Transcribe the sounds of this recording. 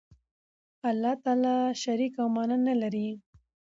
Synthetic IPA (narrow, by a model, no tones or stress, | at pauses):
alːɑt̪ɑlɑʃaɾikawmɑnanalaɾi